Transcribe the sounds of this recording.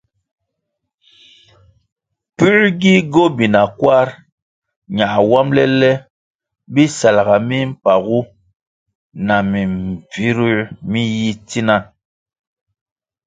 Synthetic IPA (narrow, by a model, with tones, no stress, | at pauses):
pʉ˦ɾɡi˦ɡo˦bi˨na˨kwa˦ɾ | ɲa˨wa˦mlɛ̰˦lɛ˦ | bi˦sa˨la˨ɣa˨mi˦m̩˦pa˨ɣu˦ | na˨mi˨m˨vi˦ɾi˦mi˦ji˦ti˦na˦